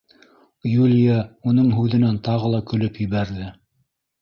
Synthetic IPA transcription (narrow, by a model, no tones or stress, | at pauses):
julʲijɑunɤɴɦʉðɘ̆nænt̪ɑʁɤ̆lˠɑkɵ̆lɵpjɘ̆βæɾðɘ